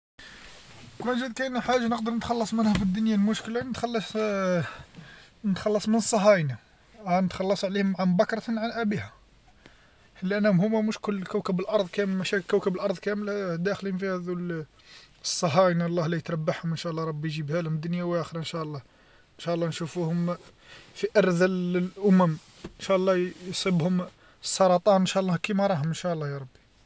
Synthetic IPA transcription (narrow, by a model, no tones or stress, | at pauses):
ænʒəd̪kænħaʒːanəqd̪əɾˤnət̪xɑlːɑsˤmənhæfid̪ːʊnjalmʊʃklanət̪xɑlːɑ | nət̪xɑlːɑsˤmənəsˤːɑɦɑjna | ænət̪xɑlːɑsˤʕlihʊmːaʕambækɾˤɑt̪nʕanʔæbihæ | həlːiʔænːæhʊmhʊmːæmʊʃkʊlːkæwkəbəlʔɑɾˤd̪ˤkæmːæʃækækəbəlʔɑɾˤd̪ˤkæməlhæd̪æxlinfihæd̪ul | sˤːɑɦɑnælˤːɑhlæjət̪ɾˤɑbːaħhʊmʔənʃæʔlˤːɑɾˤɑbːijʒibhælhʊmd̪ːʊnjawʔæxɾɑənʃæʔlˤːɑ | nʃæʔlˤːɑnʃufuhʊm | fiʔɑɾˤðællʔʊmæm | ənʃæʔlˤːɑjsˤəbhʊm | sˤːɑɾˤɑt̪ˤɑnənʃæʔlˤːɑhkimɑɾˤɑɦʊmənʃæʔlˤːɑjɑɾˤɑbːi̥